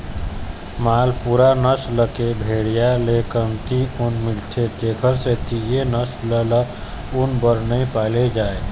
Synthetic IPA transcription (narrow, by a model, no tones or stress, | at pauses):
maːlpuːɾanəsləkebʱeːɽijalekənt̪iunmɪlt͡ʃʰeteːkʰəɾset̪ijenəslələ | unbəɾnəĩpaːled͡ʒaːe